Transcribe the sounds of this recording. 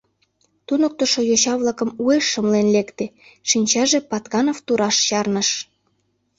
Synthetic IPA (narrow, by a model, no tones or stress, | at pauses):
t̪unok̚t̪ŏʃojoɕɑβlɑkə̆mueʃːəmlenlekt̪eʃinʲt͡ɕɑʒepɑt̪kɑnoft̪uɾɑʃɕɑrnəʃ